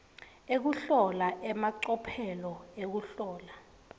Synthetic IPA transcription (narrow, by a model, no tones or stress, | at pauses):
ek̬uɬɔlaʔɛmaǀɔpʰɛlɔek̬uɬɔːla